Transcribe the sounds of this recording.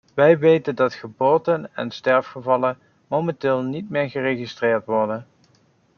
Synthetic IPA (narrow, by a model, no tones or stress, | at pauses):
ʋɛjʋejtəndɑtχəboːtənɛ̰nstɛɹfχəvɑlən | momɛntɪːlˠnitmɪːɹχərejχistrɪːɹtʋɔɹdən